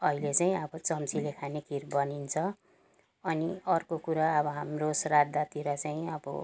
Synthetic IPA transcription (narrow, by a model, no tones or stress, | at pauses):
ʌɦilet͡saĩʌbʌt͡sʌmt͡silekʰanekirbʌnint͡sʰʌ | ʌniʌrkokuɾaʌbʌɦamrosrad̪at̪iɾʌt͡saĩʌbʌ̰